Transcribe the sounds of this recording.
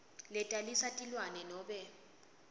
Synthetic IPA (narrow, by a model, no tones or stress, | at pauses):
lɛtʼalisatʼilwanɛnɔːɓɛ